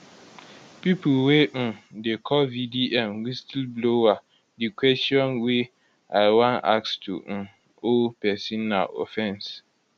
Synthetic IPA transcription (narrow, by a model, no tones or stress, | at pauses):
pipʰulwenʊ̃dekʰɔvidiʔɛ̃nwistʰilblowa | dikʰwɛstiɔ̃nwe | aɪwãna̰kstʰṵnʊ̃ | opʰɛsĩnːã̰ʔɔ̰fɛ̃ns